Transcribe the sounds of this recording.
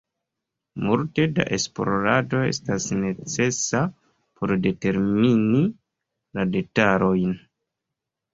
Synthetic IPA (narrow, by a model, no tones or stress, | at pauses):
multe̞da̰ʔe̞sploɾado̞e̞̰stasne̞t͡se̞sa | po̞ɾde̞te̞ɾmini | lade̞taɾo̞jn